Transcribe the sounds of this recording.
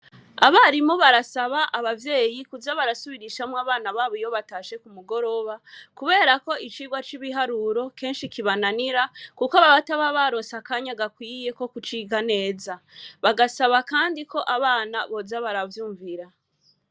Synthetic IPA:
aβaɾimuβaɾasaβaʔaβavje̞ːjikuzaβaɾasuβiɾiʃamwaβaːnaβaːβoijoβataːʃe̞kumuɡo̞ɾo̞βakuβe̞ːɾako̞it͡ʃiːɡwat͡ʃiβiɦaɾuɾo̞ke̞ːnʃikiβananiɾakukaβaβataβaβaɾo̞ːnsakaɲaɡakwiːje̞ko̞kut͡ʃiːɡane̞ːzaβaɡasaβakaːndiko̞ʔaβaːnaβo̞zaβaɾavjuːɱviɾa

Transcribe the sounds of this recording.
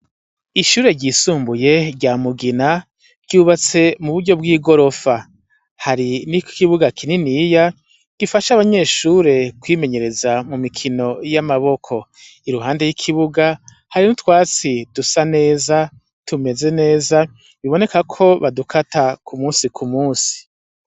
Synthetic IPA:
iʃuːɾe̞ɾɟiːsuːmbuje̞ɾɟamuɡina | ɾɟ̥uːβat͡se̞muβuɾɟo̞b̚ɡiːɡo̞ɾo̞fa | haɾinikiβuɡakʰininija | ifaʃaβaɲe̞ːʃuːɾe̞kwiːme̞ɲe̞ɾe̞zamumikʰino̞jamaβo̞kʰo̞ | iɾuɦaːnde̞jikʰiβuɡa | haɾinutwaːt͡sid̥usane̞ːza | tume̞ze̞ne̞ːza | βiβo̞ne̞kakʰo̞βadukʰatakʰumuːnsikʰumuːsi̥

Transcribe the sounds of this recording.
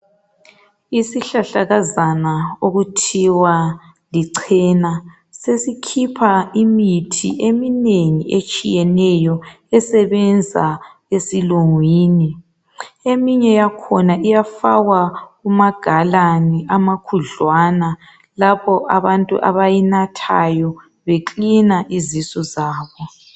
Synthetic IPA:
isiɬaɬaɣazanaoɣutʰiwa | liǀʰɛna | sesikʰipʰaimitʰḭʔemineŋiʔet͡ʃʼijɛnɛjɔ | ɛsɛβɛnd͡zʱa̰ | esiluŋwiːni | emiɲɛjakʰɔnaʔijafawaɣumaɡ̥ʱalaniʔamakʰuɮwana | lapɔʔa̰βantʼṵʔa̰βajinatʰa̰jɔ | βeǃinaʔizisɔzaːβɔ

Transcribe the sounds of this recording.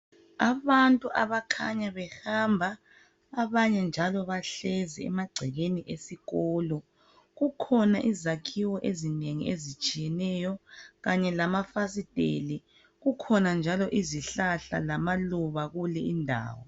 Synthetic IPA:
aβantʼuʔaβakʰaɲaβɛhambʱaː | βaɲɛnd͡ʒʱalɔβaɬɛzɛɛ̰maɡ͡ǀʱɛɣeniʔesiɣɔːlɔ | ɣukʰɔna̰ʔizakʰiwɔʔezineŋḭezit͡ʃʼijɛnɛjɔɣaɲɛlamafas̬id̥ʱʼeli | ɣukʰɔnand͡ʒʱalɔʔiziɬaɬa̰lamaluβaɣulɛindʱa̰ːwɔ̰

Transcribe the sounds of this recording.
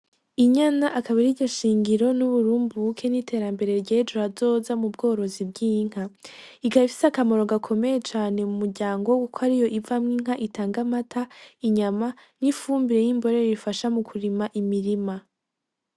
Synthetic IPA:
iɲanaʔakaβaɾiɟoʃiːŋɡiɾo̞nuβuɾuːmbukʰe̞nitʰe̞ːɾambe̞ɾe̞ɾɟed͡ʒuɾazo̞zamub̚ɡo̞ːɾo̞zib̚ɡiːŋ̥ha | ikaβifi̥sakamo̞ɾo̞ɡakʰo̞me̞je̞t͡ʃaːne̞mumuɾɟaːŋɡo̞wkukʰoaɾijo̞ʔivamŋiːŋ̥ɦaʔitaːŋɡamatʰaiɲamanifuːmbiɾe̞jimbo̞ɾe̞ɾiifaʃamukʰuɾimaʔimiɾima

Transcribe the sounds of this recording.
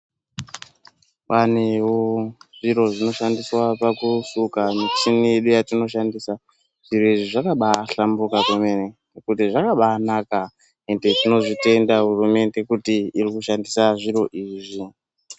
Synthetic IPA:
wanewoʐiɾo̞ʐino̞ʃandiswapakusukamit͡ʃinije̞ɗujatino̞ʃandisa | ʐ̥iɾo̞iʐiʐakaɓaɬambukakweme̞nenekutiʐakaɓaːnaka | ende̞tino̞ʐite̞ndaɦurume̞nde̞kutiirikuʃandisaʐiɾo̞ʔiːʐi

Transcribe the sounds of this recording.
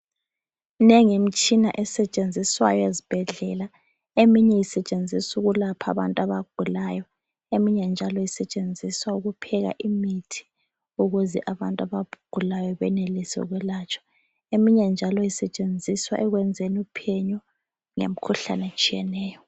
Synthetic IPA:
nɛŋimit͡ʃʼina̰ʔɛsɛt͡ʃʼend͡zʱiswa̰jɔezib̥ʱɛɮɛla | emiɲɛjisɛt͡ʃʼend͡zʱisuɣulapʰa̰βantʼaβaɡ̥ʱulaːjɔ | emiɲɛnd͡ʒʱalɔjisɛt͡ʃʼend͡zʱiswauɣupʰɛɣa̰ʔimitʰi̥ | uɣuzɛʔaβantʼaβab̥ʱuɡ̥ʱulajɔβɛnelisɛ̰uɣwɛlat͡ʃʰʼɔ̥ | emiɲɛnd͡ʒʱalɔjisɛt͡ʃʼend͡zʱiswa̰ʔɛɣwɛnd͡zʱenupʰɛɲɔ | ŋḛm̩kʰuɬa̰nɛt͡ʃʼijɛnɛːjɔ

